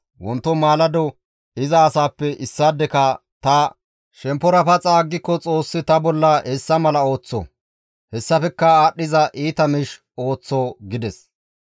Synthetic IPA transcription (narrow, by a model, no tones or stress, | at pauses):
wɔnt̪ːɔmaːlɐd̪ɔ | ɪzɐːsaːpːɛʔɪsːaːd̪ɛkɐ | t̪ɐ | ʃɛmpːɔɾɐfɐt͡sʼaːɡːɪkːɔt͡sʼo̞ːsːɪt̪ɐbɔlːɐʔɛsːɐmɐlɐo̞ːt͡sːɔ̰ | hɛsːɐfɛkːɐaːɗːɪzɐʔiːt̪ɐmɪʃ | o̞ːt͡sːoːɡɪd̪ɛs